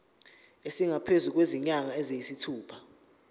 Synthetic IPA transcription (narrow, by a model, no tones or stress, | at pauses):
esiŋʱapʰezuk̬weziɲaŋaɛzejisitʰuːpʰḁ